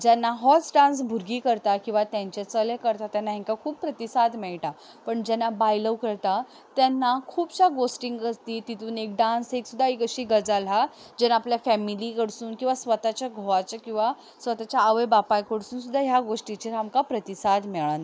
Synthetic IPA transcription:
d͡ʑanːaɦɔt͡sɖãns̬bʱuɾɡiːkəɾt̪akĩw̃ʋat̪jaɲt͡ɕet͡səlekəɾt̪at̪janːaɦiŋkakʰuːppɾət̪isad̪mɛɭʈa | pəɳd͡ʑɛnːabajləwkəɾt̪a | t̪janːakʰuːbɕaɡosʈiŋɡɡəst̪iːt̪it̪uːnek̚ɖãnseksud̪ʱːaikəɕiːɡəd͡zalɦa | d͡ʑɛnaapljafɛmilikəɽsuːnkĩw̃ʋasʋət̪at͡ɕjaɡʱoʋat͡ɕəkĩw̃ʋa | sʋət̪at͡ɕjaːʋəjbapajkəɽsuːnsud̪ʱːaɦjaɡoʂʈit͡ɕeɾamkapɾət̪isad̪mɛɭan

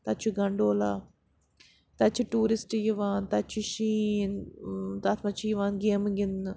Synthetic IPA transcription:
t̪ɐt͡ʃʰuɡɐɳɖoːlaː | t̪ɐt͡ʃʰiʈuːɾɪsʈjiʋaːnt̪ɐt͡ʃʰuʃiːnt̪ɐt̪ʰmɐt͡ʃʰijiʋaːnɡeːmɡɪn

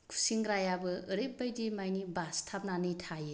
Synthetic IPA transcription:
kʰu̥siŋɡɾajabɯɯɾep̚ːajdimajnibastʰap̚nanɯtʰaje

